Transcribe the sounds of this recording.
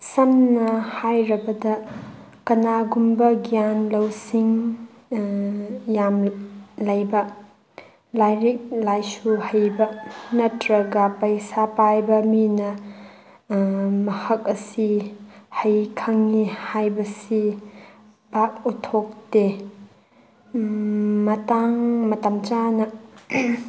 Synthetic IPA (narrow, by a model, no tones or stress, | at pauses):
sɐmnɐhajɾɐbɐdɐ | kɐnaɡumbɐɡijanlɐwsiŋ | jamlɐjbɐ | lajɾik̚lajsuhɐjbɐnɐtɾɐɡɐpɐjsapajbɐminɐ | mɐhɐk̚ɐsi | hɐjkʰaŋːihajbɐsi | b̥ak̚utʰok̚te | mɐtaŋmɐtamt͡ʃanɐ